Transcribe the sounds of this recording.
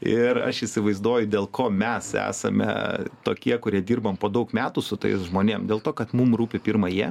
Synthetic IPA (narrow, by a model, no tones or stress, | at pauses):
ɪrɐ̰ʃɪsʲɪʋɐɪzd̪uɔjʊd̪ʲeːlˠkoːmʲɛsæ̰ːsɐmʲɛ̰t̪oːkʲiɛkʊɾʲiɛd̪ʲiːrbɐmpoːd̪ɐʊkmʲæːt̪ʊsʊt̪ɐ̰ɪsʒmoːnʲeːmd̪ʲeːlˠt̪oːkɐt̪mumruːpʲɪpʲiːɾmɐjiɛ